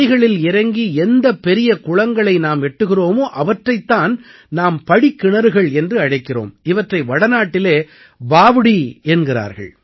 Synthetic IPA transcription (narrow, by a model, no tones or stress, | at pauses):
ɪɣɐɭɪlɪɾɐŋɡiɛnd̪ɐpːɛɾɪjɐkʊɭɐŋɡɐɭɐɪnaːmɛʈːɯɣɪroːmoːʔɐʋɐʈrɐɪt̪ːaːn | naːmpɐɽikːɪɳɐɾɯɣɐɭɛndrɯɐɽɐɪkːɪro̰ːmɪʋɐʈrɐɪʋɐɽɐnaːʈːɪleː | baːʋɪɽiɛnɡɪɾa̰ːɾɣɐ̰ɭ